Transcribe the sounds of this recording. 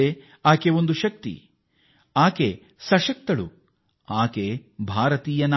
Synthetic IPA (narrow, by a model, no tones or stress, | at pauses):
e | aːkeond̪uʃɐk̚t̪ḭ | aːke | sɐʃɐk̚t̪ɐɭṵ | aːkebʱaːɾɐt̪iːjɐn